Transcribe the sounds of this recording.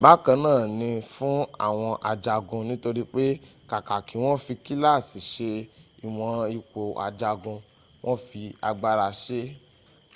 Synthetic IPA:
ba˦kã˧nãː˦˨nĩ˧fũ˦a̰˦˨w̃ɔ̃˧ʔa˧d͡ʒa˧ɡũ˧nĩ˦to˧ɾi˦k͡pe˦ka˨ka˨ki˨˦w̃ɔ̃˦fi˧ki˦la˦˨si˨ʃe˧i˨w̃ɔ̃˧i˧kʷo˨a̰˧d͡ʒa˧ɡũ˧ | w̃ʔɔ̃˦fi˧a˧ɡ͡ba˧ɾa˧ʃe˦

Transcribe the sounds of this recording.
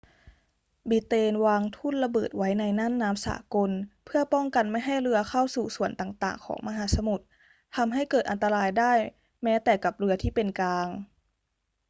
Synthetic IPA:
bi˧˦t̪eː˧nwaː˧ŋt̪ʰu˥˩nla˧bɤː˨˩t̪̚wa˦˥jna˧jna˥˨mnaː˦˥msa̰ː˩˦ko˧npʰɯ˥˩ɐpɔ˥˩ŋka˨nma˥˩jɦa˥˩jɾɯ˧ɐkʰa˥˩wsuː˨˩su˨˩˦ənt̪aː˨˩ŋt̪a̰ː˨˩ŋkʰɔ̰ː˩˦ŋma˧ɦaː˩˦sa˧mu˨˩t̪̚ | t̪ʰa˧mɦa˥˩jkɤː˨˩t̪̚ʔa˧nt̪a˧laː˧jdaː˥˩j | mɛː˦˥t̪ɛː˨˩ka˨˩p̚ɾɯ˧ɐt̪ʰiː˥˩pe˧nkaː˧ŋ

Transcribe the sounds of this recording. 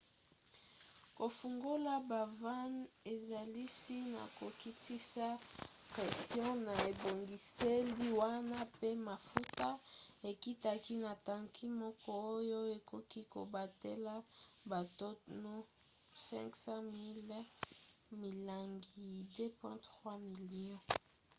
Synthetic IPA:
ko˨fu˨ŋɡo˦la˦ba˨va˦ne˨za˨li˦si˦na̰˨ko˨ki˦ti˦sa˦kɛ˨stjɔ̃˦na˨e˨bo˨ŋɡi˨se˦li˦wa˦na˦pe˦ma˨fu˦ta˦e˨ki˦ta˨ki˦na˨tã˨ŋkʰi˦mɔ˦kɔ˦o˦jo˦e˨ko˦ki˦ko˨ba˨te˦la˦ba˨to˦tno˦ | sɛ̰̃˦ŋksã˦mi˦l | mi˨la˨ŋɡi˨de˦pwɛ̃˦tʁwa˦mi˨li˨ɔ̃˦

